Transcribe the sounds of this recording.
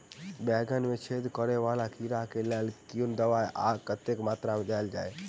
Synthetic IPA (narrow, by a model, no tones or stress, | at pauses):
bɛɡənmet͡ʃʰed̪kəɾeʋalakʰiɾakelelkiund̪əʋajʔa̰kət̪ːekmat̪ɾamed̪ajld͡ʒaːe